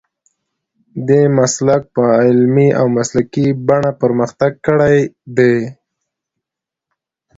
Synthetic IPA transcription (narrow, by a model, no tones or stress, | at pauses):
d̪emaslak̚pəɪlmia̰wmaslakibaɳapəɾməxt̪aɡ̚kəɽajd̪e